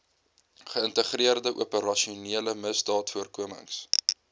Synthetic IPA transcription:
χəəntəχriərdəʔṵəpəɾɐʃiuniələməsdɑːtfuərkuəmə̰ŋs

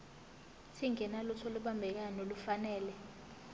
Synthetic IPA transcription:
tʰiŋɛnalut͡sʰoluɓambʱɛk̬anolufanɛːlɛ

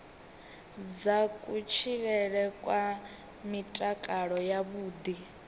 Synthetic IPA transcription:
d͡zakʼut͡ʃʰiɺɛɺɛkʼwa | mitʼakʼaɺɔjaβuːd̪i

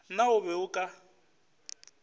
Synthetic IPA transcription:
naʊβɛʊkʼa

